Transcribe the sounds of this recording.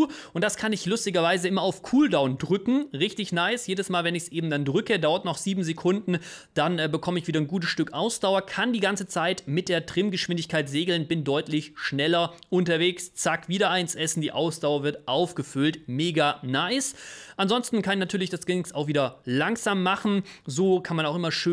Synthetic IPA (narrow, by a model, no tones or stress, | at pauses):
ʔʊntd̥askʰanɪçlʊstɪɡɐvaɪzəʔɪmɐaʊfkʰuːldaʊndʁʏkŋ̩ʁɪçtɪçnaɪsjeːdəsmaːlvɛnɪçsʔeːbm̩dandʁʏkədaʊɐtnɔχz̥iːbm̩zekʰʊndn̩d̥anɛbəkʰɔməɪçv̥iːdɐnɡuːt̬əsʃtʏkʔaʊsd̥aʊɐkʰandiːɡant͡sət͡saɪtmɪt̚d̥eːɐtʁ̥ɪmɡəʃv̥ɪndɪçkʰaɪtz̥eːɡl̩nb̥ɪndɔʏtlɪçʃnɛlɐʔʊntɐveːkst͡sakv̥iːɾɐaɪnsʔɛsn̩diːʔaʊsd̥aʊɐvɪɐtʔaʊfɡ̥əfʏltmeːɡanaɪsʔanzɔnstn̩kʰanɪçnatʰyːɐlɪçd̥asɡ̥ɪnɪksaʊxv̥iːdɐlaŋz̥aːmːaχn̩zoːkʰanmanaʊxʔɪmɐʃø